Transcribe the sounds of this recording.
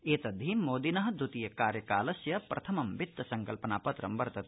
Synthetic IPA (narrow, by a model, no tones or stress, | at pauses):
eːt̪ɐd̪ʱːimoːd̪inɐɦɐd̪ʱut̪ijɐkaːɾjɐkaːlɐsjɐpɾʔɐt̪ʰɐmɐmʋit̪ːɐsɐŋkɐlpɐnaːpɐt̪ɾɐmbɐɾt̪ɐt̪